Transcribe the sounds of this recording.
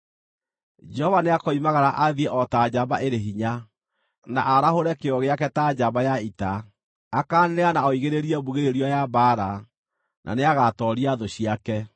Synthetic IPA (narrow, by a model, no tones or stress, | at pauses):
d͡ʒɛhɔvaneakɔimaɣaɾaʔaðiɛʔɔtad͡ʒaβaʔeɾeɦiɲa | naʔaɾahoɾɛkeɔɣeakɛtaaβajaita | akaːneanaɔiɣeɾeɾiɛβuɣeɾeɾiɔjabaɾa | nʔa̰neaɣatɔɾiaðoɕiakɛ